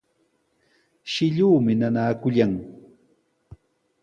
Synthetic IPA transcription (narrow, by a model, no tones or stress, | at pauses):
ʃɪʎuːmɪnanaːkʊʎaŋ